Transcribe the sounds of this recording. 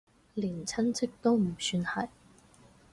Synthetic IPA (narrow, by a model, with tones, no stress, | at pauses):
liː˨˩nt͡sʰɐ˥nt͡sʰɪ˥k̚t̪o˥wm̩˨˩syː˧nhɐ˨˩j